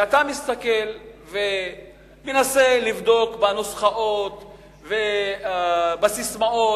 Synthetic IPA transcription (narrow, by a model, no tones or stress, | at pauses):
at̪amist̪akelve | menaselivd̪o̞kbanosχaʔo̞t̪ | ve | basismao̞